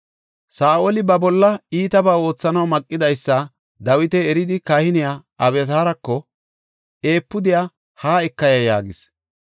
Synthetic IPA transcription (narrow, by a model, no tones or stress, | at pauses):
saːʔolɪbɐbɔlːɐiːt̪ɐbaːo̞ːt͡sːɐnɐwmɐkʼːɪd̪ɐjsːɐ | d̪ɐwɪt̪ɛɛɾɪd̪ɪkɐhɪnɪjaːɐbɛt̪aːɾɐkːɔ | e̞ːpːʊd̪ɪja | haːɛkːɐjɐja̰ːɡɪs